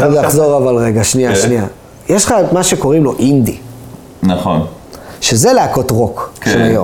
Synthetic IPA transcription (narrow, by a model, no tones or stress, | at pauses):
ovjaχzo̞ʁavalʁe̞ɡaʃniaʃnia | jeʃlχamaʃeko̞ʁimlo̞ʔind̪i | naχo̰n | ʃe̞ze̞leako̞t̪ʁo̞kʃemajo̰